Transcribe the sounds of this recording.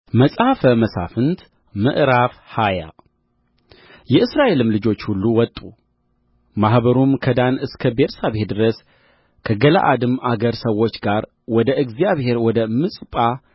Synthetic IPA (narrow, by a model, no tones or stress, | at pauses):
məsʼhafəməsa̰fɨnt̪ | mɨ̰ʔɾafhaja̰ | jɛʔɨsɾaʔe̞lɨmlɨd͡ʒo̞t͡ʃːhulːuwɔt̪ʼːu | mahbəɾumkʰəd̪anɨskʰəbeɾsabhed̪ɨɾəs | kʰəɡəla̰ʔa̰d̪ɨmaɡəɾsəwːo̞t͡ʃːɡaɾ | wɔd̪əʔɨɡzijaβhe̞ɾwɔd̪əmɨsʼpʼa